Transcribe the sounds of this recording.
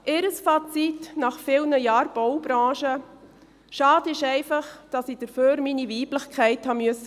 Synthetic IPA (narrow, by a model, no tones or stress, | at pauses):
ʔɪɾəsfɑt͡sitnɑχfɪlnəjɑːɾb̥ɔwbɾɑ̃ːʃə | ʃɑːdɪʃɛɪfɑχd̥ɑsiːd̥əɾføːɾminiviːbləχkʰɛɪthɑmʏəsə